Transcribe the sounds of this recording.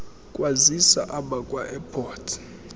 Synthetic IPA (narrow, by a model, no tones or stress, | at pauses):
kʼwazisa̰ʔaɓakʼwaʔɛpʰɔːtʰ